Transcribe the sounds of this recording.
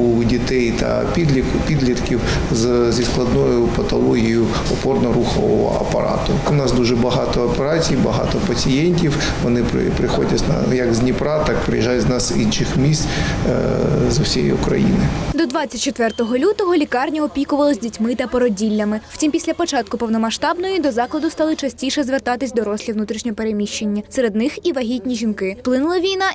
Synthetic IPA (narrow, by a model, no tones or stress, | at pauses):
udʲit̪ɛjt̪ɐ̰pʲid̪ʲipʲid̪lʲit̪kʲiw | zzʲisklˠɐd̪nɔjʊpɐt̪ɐlˠɔɦʲijʊ | ɔpɔrnɔɾuxɔʋɔ̰ɔ̰ɐ̰pɐ̰ɾɑ̰t̪ʊ | ʊnɑsd̪uʒɛbɐɦɑt̪ɔːpeɾɑt͡sʲijbɐɦɑ̰t̪ɔpɐt͡sʲijɛnʲtʲiw | ʋɔnɪpɾɪ̰pɾɪxɔdʲɐzn̰jɐɡzʲnʲipɾɑt̪ɑk̚pɾɪ̰jiʒɑjʲznɑsḭnʃɪxmʲisʲt̪ʲ | zʊwsʲiɛ̰jḭʊkɾɐ̰jḭnɪ̰d̪ɔd̪ʋɑt͡sʲːɐtʲt͡ʃet̪ʋɛrt̪ɔɦɔlʲut̪ɔɦɔlʲikɑrnʲɐɔpʲikʊʋɐlˠɔzʲdʲitʲmɪt̪ɐpɔɾɔdʲilʲːɐmɪw̥t͡sʲimpʲisʲlʲɐpɔt͡ʃɑt̪̚kʊpɔwnɔmɐʃt̪ɑbnɔjid̪ɔzɑklˠɐd̪ʊst̪ɑlˠɪt͡ʃɐsʲtʲiʃɛzʋert̪ɑt̪ɪsʲd̪ɔɾɔsʲlʲiʋnut̪ɾʲiʃnʲɔɦɔpeɾemʲiʃt͡ʃenʲːɐseɾe̞d̪nɪxiʋɐɦʲitʲnʲiʒʲinkɪplˠɪnʊlˠɐʋʲijnɑ